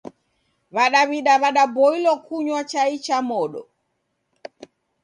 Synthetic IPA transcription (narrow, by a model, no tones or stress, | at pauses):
βaɗaβiɗaβaɗabɔilɔkuɲwat͡ʃait͡ʃamɔɗɔ̰